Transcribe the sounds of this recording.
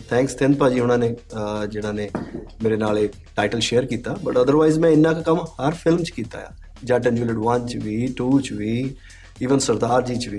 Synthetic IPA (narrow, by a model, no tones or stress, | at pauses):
t̪ʰɛ̃ːŋkst̪ʰẽnd̪̚paːd͡ʒiːɦʊñãːned͡ʒɪnãːnemeːɾenaːle | ʈaːɪʈəlʃeːəɾkiːt̪aːbəʈəd̪əɾʋaːɪzmɛ̃ɪnːãkakəmhəɾfʰɪlmt͡ʃkiːt̪a̰ːja̰ː | d͡ʒãːʈə̃nd͡ʒuːləɖʋənt͡ʃʋiːʈuːt͡ʃʋiː | iːʋənsəɾd̪aːɾd͡ʒiːt͡ʃʋiː